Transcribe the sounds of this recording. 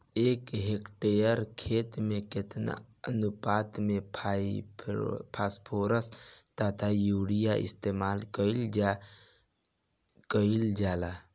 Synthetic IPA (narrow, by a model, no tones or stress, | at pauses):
eːkɦekʈejəɾkʰet̪mẽkɪt̪na̰ənupaːt̪mẽpʰ | pʰaspʰoɾəst̪at̪ʰajuːɽijaʔɪ̰st̪emaːlkəild͡ʒa | kəild͡ʒaːla